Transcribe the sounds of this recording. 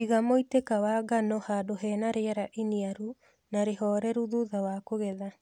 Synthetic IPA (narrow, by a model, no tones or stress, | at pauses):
iɣamoitekawaːɡanɔhaːdoɦɛːnaɾeɛɾaʔiniaɾu | naɾeɦɔɾɛɾuðuðawakoɣɛða